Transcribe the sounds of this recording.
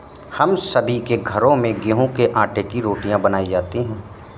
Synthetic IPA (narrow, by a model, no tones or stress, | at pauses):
hɐmsɐbʱikeɡʱɐɾõmẽɡeɦõkeʔãːʈekiɾoːʈijãbɐnaːid͡ʒaːt̪iɦɛ̃ː